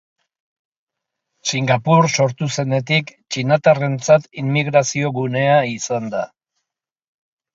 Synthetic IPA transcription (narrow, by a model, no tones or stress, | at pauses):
siŋɡapuɾso̞ɾt̪use̞ne̞t̪ikt͡ʃinat̪are̞nt͡sat̪imːiɣ̞ɾasio̞ɣune̞aisand̪a